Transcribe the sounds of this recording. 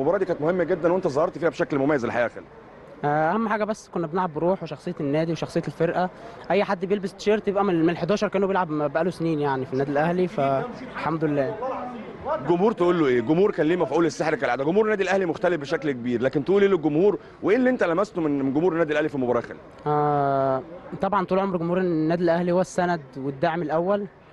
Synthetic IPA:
lmobɑɾˤɑːd̪ikænt̪mohemːæɡed̪ːænwʔent̪æzˤɑhɑɾˤt̪fiːhæbeʃæklmomæjːæzelħajæːxæ̰lː | ʔæʔæhæmːħaːɡæbæsːkonːæbenalʕabːeɾuːħweʃɑxsˤejːæt̪enːæːd̪iweʃɑxsˤejːæelfeɾʔæʔæjːħad̪ːbejelbest̪ʃeːɾt̪jebʔæmmnelħed̪æːʃɑɾˤkæʔnubelʕabbæʔælosniːnjaʕnifinːæːd̪ilʔæhlifæħamd̪olelːæː | ɡomhuːɾt̪eʔuːlːoʔeːɡomhuːɾkæːnliːmæfiʔuːlesːeħɾkælʕad̪æɡomuːɾenːæːd̪ilʔæhlimoxt̪ælefbeʃæklkebiːɾlæːkent̪eʔuːleːloɡomhuːɾ | weʔeːlːiʔent̪ælæmæst̪omenenɡomhuːɾenːæːd̪ilʔæhlifilmobɑɾˤɑːxḛl | ʔæː | t̪ˤɑbʕɑnt̪uːlʕomɾɡomhuːɾenːæːd̪ilʔæhlihowːæsːænæd̪wed̪ːaʕmelʔæwːæl

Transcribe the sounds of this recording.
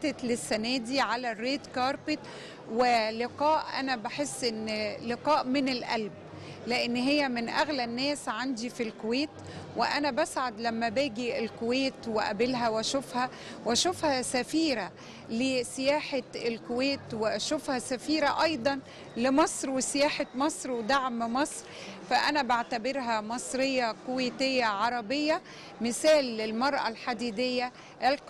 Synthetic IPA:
t̪et̪lɪsːænæːd̪iʕalærːeːd̪kɑːɾˤpet̪ | wɪlɪqɑːʔʔæ̰næbaħesːʔɪnːlɪqɑːʔmɪnɪlʔæ̰lb̚ | leʔenːɦejːæmɪnʔæɣlænːæːsʕand̪ifilkoweːt̪ | wɪ̰ʔænæbæsʕad̪læmːæbæːɡielkoweːt̪wɪʔæ̰belɦæwæʃofhæ | wæʃofhæsæfiːɾæ | lesɪjæːħaelkoweːt̪weʔæʃofhæsæfiːɾæʔɑjd̪ˤɑn | lɪmɑsˤɾwesɪjæːħamɑsˤɾwed̪aʕmmɑsˤɾ | fæʔænæbaʕt̪æbeɾɦæmɑsˤɾejːɑkoweːt̪ejːæʕɑɾˤɑbejːɑ | mɪsæːlːelmɑɾˤʔæ̰lħad̪iːd̪ejːæ | ʔel

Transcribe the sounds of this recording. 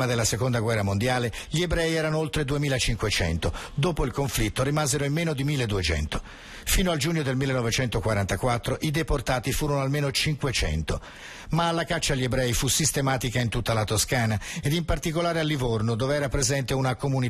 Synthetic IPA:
mad̪elːasekond̪aɡwɛrːamond̪jaːleʎiebɾɛjɛːɾanoolt̪ɾed̪uemiːlat͡ʃiŋkwet͡ʃɛ̰nt̪od̪oːpoilkoɱflit̪ːoɾimaːzeɾoimːeːnod̪imilːed̪uet͡ʃɛ̰nt̪o | fiːnoald͡ʒuːɲːod̪elmilːenɔvet͡ʃɛnt̪okwaɾant̪akwat̪ːɾoʔid̪eport̪aːt̪ifuːɾonoalmeːnot͡ʃiŋkwet͡ʃɛ̰nt̪o | maːlːakat͡ʃːaʎːiebɾɛifusist̪emaːt̪ikaint̪ut̪ːalat̪oskaːnaed̪impart̪ik̬olaːɾealːivornod̪oːveɛːɾapɾezɛnt̪eunakomuni

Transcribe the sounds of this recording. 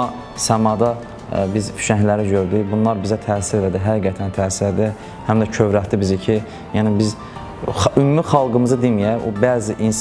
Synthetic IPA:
ɑ | sæmɑd̪ɑ | bizfʰy̥ʃænlæɾiɟøɾd̪ybunlˠɑɾbizæt̪ʰæːsiɾelæd̪iɦæɡiɡæt̪ʰænt̪ʰæːsiɾed̪i | hæmd̪æcʰøvɾæht̪ibizicʰi | jænibiz | ymːyχɑlˠɡɯmɯzɯd̪imijæobæːziʔins

